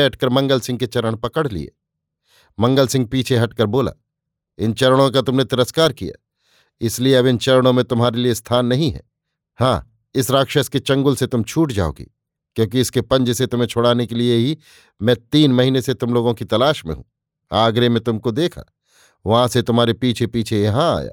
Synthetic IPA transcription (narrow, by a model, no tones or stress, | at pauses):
ɦɐʈkəɾmɐ̃ŋɡəlsɪ̃ŋɡ̚ket͡ʃɐɾəɽ̃pɐkəɽlḭḛː | mɐ̃ŋɡəlsɪ̃ŋɡ̚piːt͡ʃʰeɦɐʈkəɾboːla̰ː | ɪnt͡ʃɐɾəɽ̃õk̬at̪ʊmnet̪ɪɾəskaːɾkija̰ː | ɪslieɐbɪnt͡ʃɐɾəɽ̃õmẽt̪ʊmɦaːɾeliest̪ʰaːnːɐɦĩɦɛ̰ | hã̰ː | ɪsɾaːkʃəsket͡ʃɐ̃ŋɡʊlset̪ʊmt͡ʃʰuːʈd͡ʒa̰ːo̰ːɡḭ | kjõːk̬iɪskepɐ̃ɲd͡ʒset̪ʊm̤ɦẽt͡ʃʰoːɽaːnekelieɦi | mɛ̃ːt̪iːnmɐɦiːneset̪ʊmloːɡõkit̪ɐlaːʃmḛ̃ɦṵ̃ː | aːɡɾemẽt̪ʊmkod̪eːkʰa̰ː | ʋɐɦãset̪ʊmaːɾepiːt͡ʃʰepiːt͡ʃʰejɐɦãa̰ːja̰ː